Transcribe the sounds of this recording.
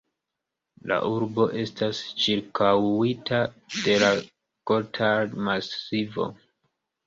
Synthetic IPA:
la̰ʔuɾbo̞ʔe̞stast͡ʃiɾkʰawitʰad̥e̞la | ɡ̥otʰamasivo̞̰

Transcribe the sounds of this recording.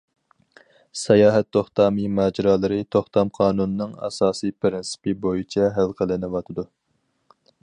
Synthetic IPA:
sɛjɑːɦɛt̪ʰːoχt̪ɑːmɨmɑːd͡ʒɪɾɑːlˠɨɾɨt̪ʰoχt̪ɑmqʰɑːnunɨnɨŋɑ̰sɑːsijpɾɪnsɪ̥pɨbojit͡ʃʰɛɦælˠqʰəlɪnɪwɑt̪ʰɨd̪u

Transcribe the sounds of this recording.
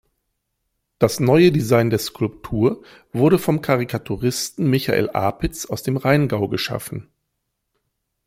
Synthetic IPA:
d̥asnɔʏədizaɪndeːɐskʰʊlptʰuːɐ | vʊɐɾdəfɔmkʰaʁikʰatʰuʁɪstn̩mɪçaʔḛːlʔa̰ːpɪt͡saʊsd̥eːmʁaɪnɡaʊɡəʃa̰fn̩

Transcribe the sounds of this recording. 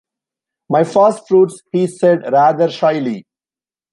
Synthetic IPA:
maɪfəsʈfɾuːʈshiːseɖɾæːd̪əɾʃaɪli

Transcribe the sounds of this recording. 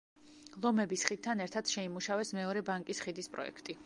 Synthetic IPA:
lˠɔmɛbisχit̪ʰːanɛɾt̪ʰad̪̥ʃɛimuʃavɛsmɛɔɾɛbaŋkʼisχid̪ispʼɾɔ̰ɛ̰kʰt̪ʼi

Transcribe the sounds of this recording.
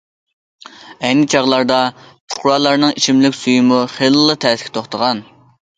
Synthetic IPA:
ɛjnɪt͡ʃʰɑʁlˠɑɾd̪ɑpʰʊ̥χɾɑːlˠɑɾnɨŋit͡ʃʰimlɪkʲsujimuχelˠɨlːˠɨt̪ʰɛsɪ̥kʰʲɪ̥t̪ʰoχt̪ʰəʁɑn

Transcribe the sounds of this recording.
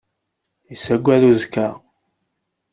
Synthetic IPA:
jəsæɡʷːæðuzkæ

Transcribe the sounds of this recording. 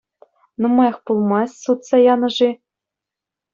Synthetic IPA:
numɑjɑχpulˠmɑsʲsut̪sɑjɑnɤ̆ʐi

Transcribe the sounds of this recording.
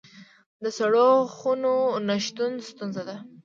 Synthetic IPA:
d̪əsaɽoxunonaʃt̪unst̪unzad̪a

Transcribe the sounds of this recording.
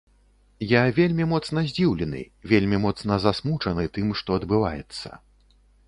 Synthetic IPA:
javʲelʲmʲimɔt̪snɐzʲd͡zʲiwlʲɛnɨ̰ | vʲelʲmʲimɔt̪snɐzasmut͡ʂɐnɨt̪ɨmʂt̪ɔɐd̪bɨva̰jɛ̰t̪sːɐ̰

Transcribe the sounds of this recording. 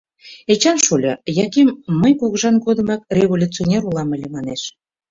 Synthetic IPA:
et͡ɕɑnʃulʲɤjɑkemːəjkuɣəʒɑnɡod̪ə̆mɑk̚rʲevolʲut͡sionʲeɾulɑmə̆lʲĕmɑneʃ

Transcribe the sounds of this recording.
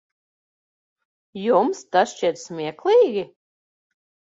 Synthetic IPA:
jumst̪asʃt͡ʃiɛt̪smʲiɛklˠiːɡʲi

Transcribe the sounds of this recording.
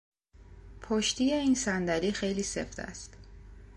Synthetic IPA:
pʰoʃt̪ije̞iːnsænd̪æliːxe̞jliːse̞̰fd̪æ̰st̪

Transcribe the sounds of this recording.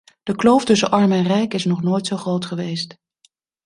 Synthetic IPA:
d̥əklowftɵsəʔɑɹmɛnrɛjkɪsnɔχnoːjtsowχrowtχəʋejst

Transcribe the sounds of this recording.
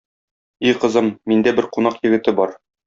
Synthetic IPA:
ijqɤ̆zɤmːind̪æbɘɾqunɑqjɘ̆ɡɘ̆t̪ɘbɒɾ

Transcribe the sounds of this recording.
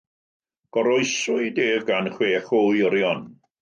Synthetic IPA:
ɡ̥ɔɾɔɨsʊɨdeːvɡanχweːχojɔɾjɔn

